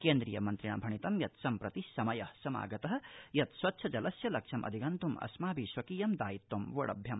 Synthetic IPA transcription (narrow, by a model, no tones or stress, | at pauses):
keːnd̪ɾijɐmɐnt̪ɾiɳɐ̰bʱɐɳ̃it̪ɐmjɐt̪sɐmpɾɐt̪isɐmɐjɐhsɐma̰ːɡɐt̪ɐɦɐ̆jɐt̪swɐtːʃʰɐd͡ʒɐlɐsjɐlɐkʂʰɐmʔɐ̰d̪ʱikɐnt̪umɐ̰smaːbʱiʃʋɐkiːjɐmd̪aːjit̪ːomʋoɽɐ̰bʱjɐm